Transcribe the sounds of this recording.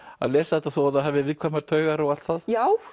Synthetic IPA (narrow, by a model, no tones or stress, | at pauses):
a̰ðlɛːsaθɛt̪aθɔaðaɦɛvɪvɪðkʰvaːmaɾt̪ʰœːɥɣaɾawalt̪θaðjaːw